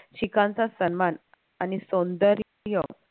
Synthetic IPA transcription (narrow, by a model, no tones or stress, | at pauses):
ɕikãnt͡sasənman | anisõnd̪əɾ | jə